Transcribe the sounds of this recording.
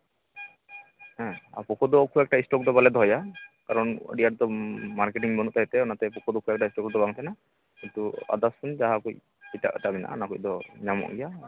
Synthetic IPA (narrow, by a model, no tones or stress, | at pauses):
ɦɛ̃a̰pɔkɔd̪ɔkʰuɛk̚ʈaisʈɔk̚d̪ɔbalɛd̪ʱɔjakaɾɔnɖijaɾt̪ɔmaɾkeʈiŋbɔnuʔt̪aɦit̪ɛɔnat̪ɛpɔkʰɔd̪ɔkʰuɛk̚aistɔkd̪ɔbaŋt̪ʰana | kint̪ua̰d̪askund͡ʒaɦakuj | ita̰ʔt̪abina̰nakujd̪ɔɲamɔ̰ʔɡija